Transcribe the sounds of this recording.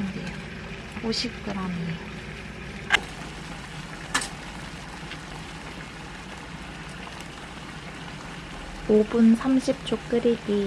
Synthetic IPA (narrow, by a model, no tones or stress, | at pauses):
ɯndejo | oɕʰik̚t͈ɯɾami | obunsʰamɕʰip̚t͡ɕ͈okk͈ɯɾete